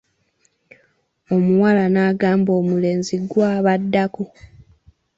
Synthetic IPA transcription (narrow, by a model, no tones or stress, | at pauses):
o̞muwalanaːɡaːmbo̞ːmule̞ːnziɡwaːβadːaku